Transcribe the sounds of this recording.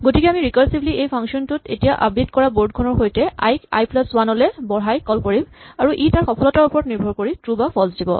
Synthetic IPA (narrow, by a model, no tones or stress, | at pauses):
ɡotikɛamiɹikɔɹsibliejpʰaŋksiɔntutḛtijaʔa̰b̚ditkɔɹaboɹd̚kʰɔnɔɹxojtɛa̰jka̰jplɔswanɔlɛbɔɹɦajkɔlkoɹimaɹuʔitaɹxɔpʰɔlɔtaɹupɔɹɔtniɹbʱɔɹkoɹitɹubapʰɔlsdibɔ̰